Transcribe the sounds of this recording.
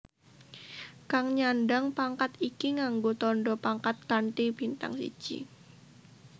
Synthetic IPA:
kaŋɲanɖaŋpaŋkat̪ikiŋaŋɡot̪ɔnɖɔpaŋkat̪̚kanʈ̪ib̥int̪a̰ŋsḭd̥d͡ʒ̥ḭ

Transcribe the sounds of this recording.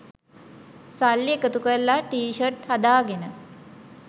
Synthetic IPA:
salːiekət̪ukəɾlaʈiːʃərʈhad̪aːɡenə

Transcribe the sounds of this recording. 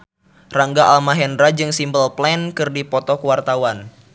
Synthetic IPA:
raŋɡaʔalmaɦɛndɾad͡ʒɨŋsimbəlplɛnkɨrdipɔt̪ɔkuwart̪awan

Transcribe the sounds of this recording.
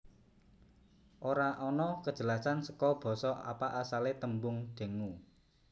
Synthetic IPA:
ʔoɾaʔɔnɔkəd̥ʒ̥ə̤lasansəkɔb̥ɔ̤sɔa̰paʔasalet̪əmbʊŋd̪̥ə̤ŋu

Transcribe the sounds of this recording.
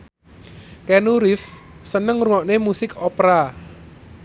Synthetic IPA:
kɛnuɾɪfssənəŋruwɔʔnemusɪkopɾa

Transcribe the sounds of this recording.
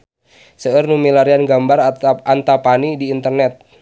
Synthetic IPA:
səərnumilaɾianɡambarʔant̪apanidiːnt̪ərnɛt̪̚

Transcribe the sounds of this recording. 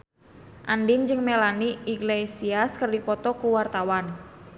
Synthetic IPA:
ʔandind͡ʒɨŋmelaniiɡlesiaskərdipɔt̪ɔkuwart̪awan

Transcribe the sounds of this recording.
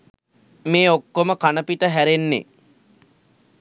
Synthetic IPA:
meːokːoməkanəpiʈəɦæɾenːḛ

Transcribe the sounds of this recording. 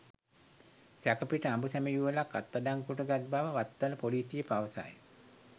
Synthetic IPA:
sækəpiʈəambusæməjuʋəlakːat̪ːadaŋkuʈəɡat̪̚baʋəʋat̪ːələpoliːsijəpaʋəsa̰j

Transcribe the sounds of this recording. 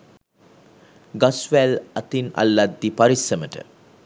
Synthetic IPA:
ɡasʋælat̪ina̰lːad̪ːipaɾisəməʈə̰

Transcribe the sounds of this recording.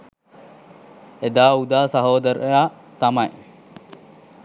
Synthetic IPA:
ed̪aːud̪aːsɐɦoːd̪ɐɾejaː | t̪ɐmɐj

